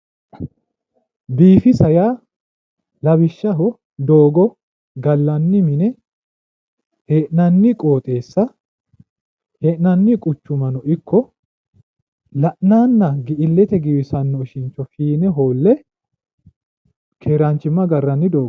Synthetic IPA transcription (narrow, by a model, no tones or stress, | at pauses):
biːfɪsɐjaː | lɐbɪʃːɐɦɔ | d̪o̞ːɡɔ | ɡɐlːɐnːɪmɪnɛ | heːʔnɐnːɪkʼo̞ːt̪ʼe̞ːsːɐ | heːʔnɐnːɪkʼʊt͡ʃːʊmɐnɔʔɪkːɔ | lɐʔnaːnːɐɡɪʔɪlːɛt̪ɛɡɪwɪsɐnːɔɪʃɪnt͡ʃːɔfiːnɛɦoːlːɛ | kʰeːɾant͡ʃːɪmːɐɡɐrːɐnːɪd̪oːɡ